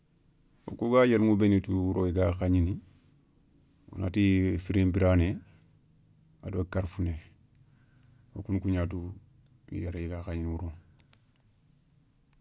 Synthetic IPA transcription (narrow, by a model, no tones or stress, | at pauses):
wo̰kuɡaːjeɾŋubenituwuɾoiɡakaɲini | wo̰na̰tifiɾembiɾaːne | a̰dokaɾfune | wo̰kunkuɲaːt̬u | ḭjaɾiɡakaɲinwuɾo